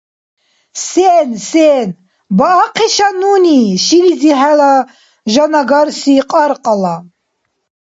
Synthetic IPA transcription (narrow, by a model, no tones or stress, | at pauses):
sɛːnsɛːn | baːqʰiʃanuniʃinid͡ziħɛla | ʒanaɡaɾsiqʼaɾqʼala